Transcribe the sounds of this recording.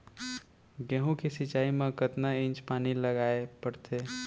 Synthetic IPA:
ɡeɦũkesit͡ʃaːimẽkət̪naɪ̃nt͡ʃpaːniləɡaːepəɽt̪ʰe

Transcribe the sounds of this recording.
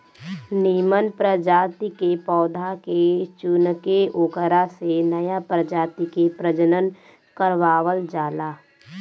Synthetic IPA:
niːmənpɾəd͡ʒaːt̪ikepɔːd̪ʱaket͡ʃʊnəkeoːkəɾasenəjapɾəd͡ʒaːt̪ikepɾəd͡ʒənən | kəɾʋaːʋəld͡ʒaːlaː

